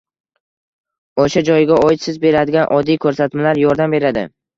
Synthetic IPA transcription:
oʃad͡ʒɒjɪɡʲaɒjɪt̪sɪzbe̞ɾad̪ɪɡʲanʔɒd̪ːijkʰɵɾsat̪malaɾjɒɾd̪ambe̞ɾad̪ɪ̰

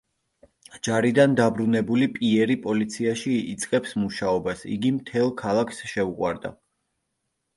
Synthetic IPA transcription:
d͡ʒaɾid̪and̪abɾunɛbulipʼiɛɾipʼɔlit̪sʰiaʃḭːt̪sʼqʼɛpsmuʃaɔbasḭɡimt̪ʰɛlˠkʰalˠakʰsʃɛuqʼwa̰ɾd̪a̰

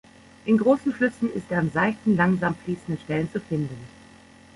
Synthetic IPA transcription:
ʔɪnɡʁoːsn̩flʏsn̩ɪstdeːɐɪmzaɪçtn̩laŋzaːmfliːsn̩dəʃtɛlənt͡sufɪndn̩

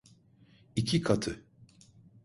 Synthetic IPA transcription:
icʰikʰat̪ʰɯ

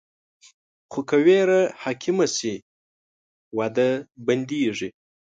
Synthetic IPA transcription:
χokaweːɾahakʰɪmasi | wad̪əband̪iʐi

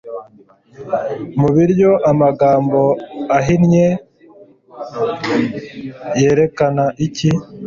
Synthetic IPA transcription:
muβiɾɟo̞ʔamaɡaːmbo̞aɦinɲe | jeːɾe̞kanaʔici

